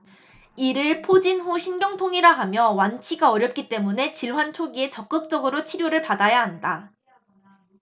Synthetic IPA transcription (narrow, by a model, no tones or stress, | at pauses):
iɾɯɭpʰod͡ʑinɦuɕʰinɡjʌŋtʰoŋiɾaɦamjʌwant͡ɕʰiɡaʌɾjʌp̚k͈it͈e̞mune̞t͡ɕiɭwant͡ɕʰoɡie̞t͡ɕʌk̚k͈ɯk̚t͡ɕ͈ʌɡɯɾot͡ɕʰiɾjoɾɯɭpadajaɦanda